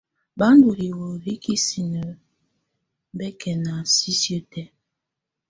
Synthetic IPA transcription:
ba˦n˦du˨ɾi˨wo˨ɾi˦ki˦si˨nə˨˦ | bɛ˦kʰɛ˨na˨si˦sjo˦tɛ˦

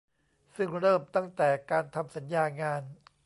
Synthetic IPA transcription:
sɯ˥˩ŋɾɤː˥˩mt̪a˥˩ŋt̪ɛː˨˩kaː˧nt̪ʰa˧msa˩˦njaː˧ŋaː˧n

